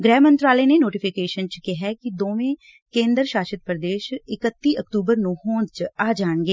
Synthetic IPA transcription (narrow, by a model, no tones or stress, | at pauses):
ɡɾɛːmənt̪ɾaːleːneːnoːʈɪpʰɪkeːʃənt͡ʃkɪɦɛːkɪd̪oːʋẽː | kẽːnd̪əɾʃaːʃət̪̚pɾəd̪eːʃɪkət̪ːiːʔəkt̪uːbəɾnũːhoːnt͡ʃaːd͡ʒaːɳɡeː